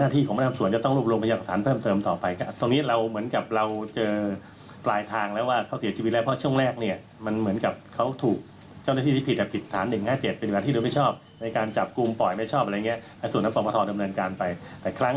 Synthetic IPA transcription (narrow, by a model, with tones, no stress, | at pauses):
naː˥˩t̪ʰiː˥˩kʰːma˧˥˩a˧su˩˦ət͡ɕa˨˩t̪ɔ˥˩ŋɾu˥˩p̚ɾu˧mpʰa˧jaː˧ksʰaː˩˦npʰɤː˥˩mt̪ɤː˧mt̪ɔː˨˩pa˧jkʰa˧˩t̪niː˦˥ɾa˧wmɯ˩˦ənka˨˩p̚ɾa˧wt͡ɕɤː˧ | plaː˧jt̪ʰaː˧ŋlɛː˦˥waː˥˩kʰa˦˥wsi˩˦t͡ɕʰiː˧i˦˥lɛ˦˥pʰt͡ɕʰu˥˩əŋɾɛː˥˩k̚ni˥˩ɐ | ma˧nmɯ˩˦ənka˨˩p̚kʰa˦˥wt̪ʰuː˨˩k̚ | t͡ɕa˥˩wnaː˥˩iː˥˩i˥˩pi˨˩t̪ʔɛ˨˩pʰi˨˩t̪ʰːaː˩˦nːɯ˨˩ŋhaː˥˩t͡ɕe˨˩t̪̚pe˧nwa˧t̪iː˥˩duː˧˦ma˥˩jt͡ɕʰɔː˥˩p̚ | na˧jkaː˧nt͡ɕa˨˩p̚ku˧mpɔ˨˩jma˥˩jt͡ɕʰɔː˥˩p̚a˧ɾjŋi˦˥ɐlaː˧˥jsu˨˩tnːa˦˥pɔː˧˩pʰːt̪ʰɔː˧da˧mnɤː˧nkaː˧npa˧jt̪ɛː˨˩kʰɾa˦˥ŋ